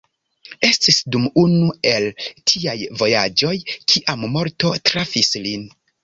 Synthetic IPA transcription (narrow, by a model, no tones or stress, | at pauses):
e̞stisdumunue̞ltʰiajvo̞jad͡ʒo̞jkʰiʔamːo̞ɾto̞tɾafislin